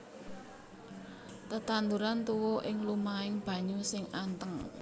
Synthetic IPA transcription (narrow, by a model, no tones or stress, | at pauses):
t̪ət̪and̪uɾant̪uwɔʔɪŋlumaɪŋb̥ä̤ɲusɪŋant̪əŋ